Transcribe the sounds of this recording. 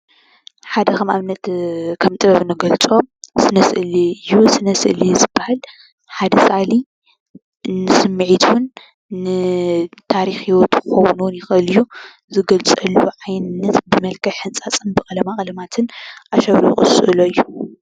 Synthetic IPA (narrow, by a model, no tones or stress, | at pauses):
ħad̪ɐxɐmamnɐt̪kʰɐmt̪ʼɨbɐβɨnɐɡɐlt͡sʼomsɨnɐsɨʔɨliɨjːusɨnɐsɨʔɨlizɨbːahal | ħad̪ɐsali | nɨsɨmːɨʕit̪ʰwnː | ɨt̪ʰaɾixiwot̪kʰɨxowunuwnjɪxɨlɨju | zɨɡɐlt͡sʼɐluʕajnɨnːɐt̪bɨmɐlkʰɐħɨnt͡sʼat͡sʼɨnbɨkʼɐlɐmakʼɐlɐmat̪ʰɨnʔaʃɐβɾṵxʼɨ̰sɨ̰ʔɨloɨjːu